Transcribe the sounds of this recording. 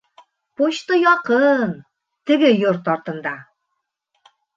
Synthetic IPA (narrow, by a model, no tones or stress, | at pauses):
poɕt̪ɤjɑqɤn | t̪ɘ̆ɡɘjøɾt̪ɑɾt̪ɤ̆nd̪ɑ